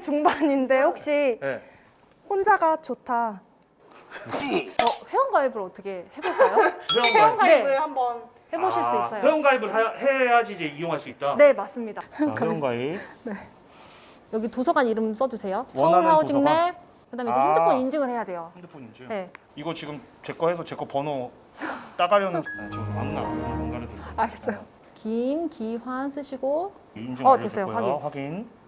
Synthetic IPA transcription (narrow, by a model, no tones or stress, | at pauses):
t͡ɕuŋbaɲinde̞hok̚ɕ͈ine | hond͡ʑaɡat͡ɕotʰa | ʌɸe̞ʌnɡaibɯɾʌtʰʌkʰe̞hebosʌjoeeʌnɡaebɯhambʌn | he̞boɕʰiɭs͈uis͈ʌjoeʌnɡaibɯɭhead͡ʑiːd͡ʑe̞ijoŋɦaɭs͈uit̚t͈ane̞mas͈ɯmɲidakɯɾʌɡaine̞ | jʌɡitosʰʌɡaɲiɾɯms͈ʌd͡ʑusʰe̞josʰʌuɭaod͡ʑiŋne | kɯdamd͡ʑehandɯpʰʌnind͡ʑɯŋɯɭhe̞jadwe̞joandɯpʰoɲind͡ʑine̞ | iɡʌt͡ɕiɡɯmt͡ɕe̞k͈ʌhesʰʌt͡ɕek͈ʌpʌno | t͈aɡaɾjʌnɯnmant͡ɕʰiwa̰ŋna̰aaŋɡanɯteaɡes͈ojo | kimkiɸwans͈ʰɯɕʰiɡo | ind͡ʑɯʌdes͈ʰʌjowaɡiɸwaɡin